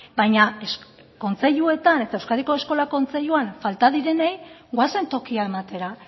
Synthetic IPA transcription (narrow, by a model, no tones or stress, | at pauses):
bajɲaesko̞nt͡se̞ʎue̞t̪ane̞t̪aewskaðiko̞e̞sko̞lako̞nt͡se̞ʎuanfalt̪aðiɾe̞nejɡwase̞nt̪o̞kiae̞mat̪e̞ɾa